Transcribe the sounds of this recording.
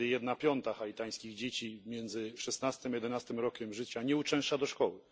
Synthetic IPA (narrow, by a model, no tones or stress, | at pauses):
jɛd̪napʲjɔnt̪axait̪aj̃skʲiɣd͡ʑet͡ɕimʲjɛnd̪zɘʂɛsnast̪ɨmjɛd̪ɛnast̪ɘmɾɔkʲɛmʐɘt͡ɕaɲɛut͡ʂɛ̃w̃ʂt͡ʂad̪ɔʂkɔwɘ